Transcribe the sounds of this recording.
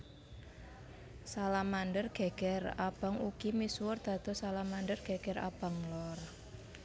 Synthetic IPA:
salamandərɡ̥e̤ɡ̥ɛrab̥a̤ŋukimiswʊrd̪̥a̤d̪̥ɔ̤salamanɖərɡ̥e̤ɡ̥ɛra̰b̥a̤ŋlɔr

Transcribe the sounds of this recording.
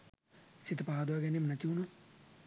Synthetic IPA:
sit̪paːd̪wɡɐnimnɐt̪juːnu

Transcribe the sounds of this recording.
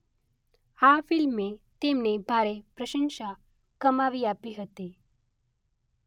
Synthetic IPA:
afɪlmet̪emnebʱaɾepɾəʃə̃nʃa | kəmaʋiapiɦət̪i

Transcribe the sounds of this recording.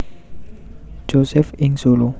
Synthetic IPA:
d͡ʒosɛfĩŋsolo

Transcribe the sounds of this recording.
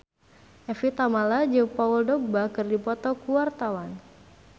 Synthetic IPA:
ʔɛfit̪amalad͡ʒəŋpauldɔk̚bakɨrdipɔt̪ɔkuwart̪awan

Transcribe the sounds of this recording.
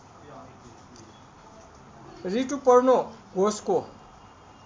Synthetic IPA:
riʈupʌrnoɡʱosko

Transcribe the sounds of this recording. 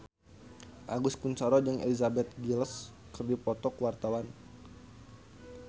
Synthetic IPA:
ʔa̰ɡuskunt͡ʃaɾɔd͡ʒəŋḛlizabɛt̪̚ɡils | kɨrdipɔt̪ɔkuwart̪awan

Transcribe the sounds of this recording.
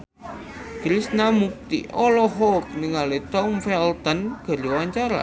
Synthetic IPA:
kɾisnamuk̚t̪ḭʔɔlɔɦɔk̚nəŋalet̪ɔmfɛlt̪ənɡ̥a̤ɾiwaɲt͡ʃaɾa̰

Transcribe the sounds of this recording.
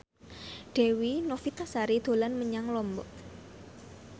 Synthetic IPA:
ɖ̥e̤winɔfit̪asaɾid̪̥o̤lanməɲaŋlɔmbɔ̰ʔ

